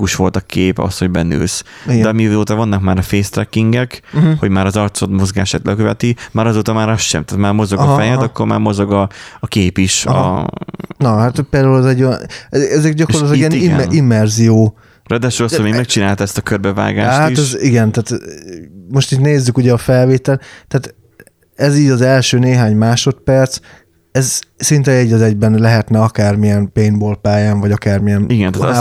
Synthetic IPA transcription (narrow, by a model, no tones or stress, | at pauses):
kuʃʋo̞lt̪ɒkeːpɒ̰sho̞ɟbɛnø̰ːs | idɡ̪ɛɒmioːt̪ɒvɒnːɒkmaːɾɒfeːst̪ɾɛkːiŋɡɛkho̞ɟmaːɾɒzɒrt̪sod̪mo̞zɡaːʃaːt̪lɛkøvɛt̪imaːɾɒzoːt̪ɒmaːɾɒsʃɛ̰mt̪aːt̪maːrmo̞zo̞ɡɒfɛjɛt̪ɒkːo̞ɾma̰ːɾmo̞zo̞ɡɒːkeːpiʃɒ̰ | nɒɦat̪peːɾrd̪aulɛzɛɟːojnɛɛzɛkdɟɒkolɑt̪lkiɛniɛimːɛrzijoː | rɛd̪ɛʃoosomeːmɛk̚t͡ʃinaːlt̪ɛst̪ɒkørbɛva̰ːɡa̰ːʃhtːatiɛʃziɡɛnt̪aːt̪ | mo̞ʃt̪it̪neːzːykuɟɛɒfɛlveːt̪ɛlt̪aːt̪ | ɛziːɟɒzɛlʃøːneːɦaːɲmaːʃo̞t̪pɛrt̪s | ɛzsint̪ɛɛɟːɒzɛɟbɛnlɛɦɛt̪nɛɒkaːrmijɛnpeːnboːlpaːjaːɱvɒɟɒkaːrmijɛniɡɛnt̪at